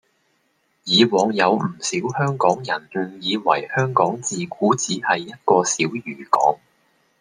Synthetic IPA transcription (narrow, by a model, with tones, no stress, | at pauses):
jiː˨˧wɔː˨ŋjɐ˨˧wm̩˨˩siː˨˥whœː˥ŋkɔː˨˥ŋjɐ˨˩nm̩˨˩jiː˨˧wɐ̰˨˩jhœː˥ŋkɔː˨˥ŋt͡siː˨kuː˨˥t͡siː˨˥hɐ˨jːɐ˥t̚kɔː˧siː˨˥wjyː˨˩kɔ̰ː˨˥ŋ